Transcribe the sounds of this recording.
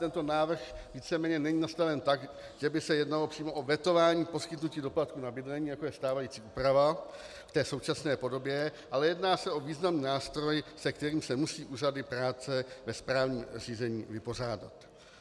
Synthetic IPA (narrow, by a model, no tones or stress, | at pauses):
t̪ɛnt̪o̞naːvr̩xviːt͡sɛmɛːɲɛnɛɲiːnast̪avɛnt̪aɡ | ʒ̥ɛbɪsɛjɛdnalopr̥iːmo̞ʔovjɛt̪o̞vaːɲiːpo̞skɪt̪nuciːdo̞plat̪̚kunabɪdlɛɲiːjako̞jɛst̪aːvajit͡siːʔuːpɾava | ft̪ɛːso̞wt͡ʃasnɛːpo̞do̞bjɛʔalɛjɛdnaːsɛʔo̞viːznamniːnaːst̪ɾo̞jsɛkt̪ɛɾiːmsɛmusiːʔuːradɪpɾaːt͡sɛvɛspɾaːvɲiːmr̝iːzɛɲḭːvɪpo̞r̝aːda̰t̪